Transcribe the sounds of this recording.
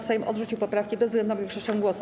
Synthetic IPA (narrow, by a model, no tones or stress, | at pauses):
sɛjmʔɔ̰d̪ʐut͡ɕiwpɔpɾafkʲibɛzːɡlɛnavʲɛŋkʂɛɕt͡ɕɛ̃w̃ɡwɔsu